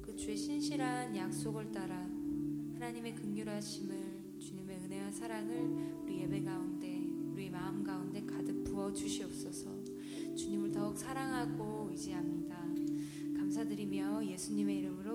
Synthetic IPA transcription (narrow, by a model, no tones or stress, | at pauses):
kɯt͡ɕueɕʰinɕʰiɾɦanjak̚s͈oɡɯɭt͈aɾahanaɲime̞kɯŋːuɾɦaɕʰimɯɭ | t͡ɕuɲime̞ɯne̞wansʰaɾaŋɯɭuɾije̞be̞ɡaunde̞uɾiemaɯmɡaunde̞kadɯk̚p͈uʌt͡ɕuɕʰiʌp̚s͈ʌsʰʌ | t͡ɕuɲimɯɭtʌuk̚sʰaɾaŋɦaɡo | id͡ʑiɦamɲida | kamsʰadɯɾimjʌje̞sʰuɲime̞iɾɯmɯɾo